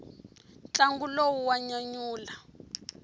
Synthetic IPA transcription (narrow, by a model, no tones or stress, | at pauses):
t͡ɬaŋɡulowuwaɲaɲuːla